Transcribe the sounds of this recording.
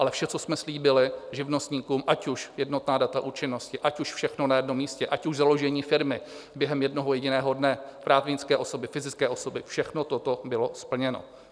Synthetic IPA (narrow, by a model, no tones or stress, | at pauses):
ʔalɛfʃɛt͡sosmɛsliːbɪlɪʒɪvnost̪ɲiːkuːmʔacuʃjɛdnot̪naːdat̪aʔuːt͡ʃɪno̞scɪʔacuʃfʃɛxnonajɛdno̞mːiːscɛʔacuʒzalo̞ʒɛɲiːfɪɾmɪbjɛɦɛmjɛdno̞ɦojɛɟɪnɛːɦo̞dnɛpɾaːt̪vɲɪt͡skɛːʔo̞so̞bɪfɪzɪt͡skɛːʔosobɪfʃɛxnot̪ot̪obɪlo̞spl̩ɲɛno̰